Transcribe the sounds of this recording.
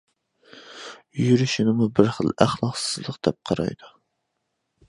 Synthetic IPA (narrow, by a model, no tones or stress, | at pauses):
jyɾyʃɪnɪmubɪɾχəlˠæχlˠɑqsɨzlˠəqd̪̥ɛp̚qʰɑɾɑ̰jd̪u